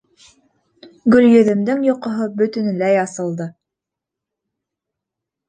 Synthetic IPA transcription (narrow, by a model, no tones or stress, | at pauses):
ɡɵ̆ljɵ̆ðɘ̆md̪ɘŋjoqŏɦɤbɵ̆t̪ɵ̆nɘ̆læjɑsɤ̆lˠd̪ɤ